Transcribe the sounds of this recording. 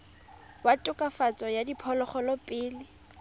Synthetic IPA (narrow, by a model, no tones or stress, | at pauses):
watʼʊkʼafat͡sʼɔjadipʰɔlɔχɔlɔpʼɪːlɪ